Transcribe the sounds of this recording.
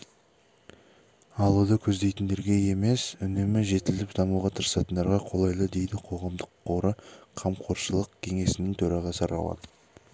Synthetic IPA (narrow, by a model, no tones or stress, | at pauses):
ɑlˠud̪əkʲʰɵzd̪ejt̪ɪnd̪e̞ɾɡʲe̞je̞me̞sʏnemɪʒe̞t̪ɪlɪpd̪ɑmuʁɑt̪ʰəɾəsɑt̪ənd̪ɑɾʁɑqʰo̞lˠɑjlˠəd̪e̞jd̪ɪqʰo̞ʁɑmd̪əqʰːo̞ɾəqʰɑmqʰo̞ɾʃəlˠəqkʲʰe̞ŋe̞sɪnɪŋt̪ʰɵɾɑʁɑsəɾɑ̰lˠɑ̰d̪ə̥